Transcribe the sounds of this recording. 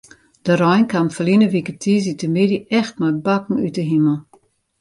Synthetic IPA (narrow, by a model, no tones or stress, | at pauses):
d̥əɾɔjnkamfəlinəʋikətʰiz̬itəmɪdiɛxtmajbakŋ̩ytəɦiməl̩ˠ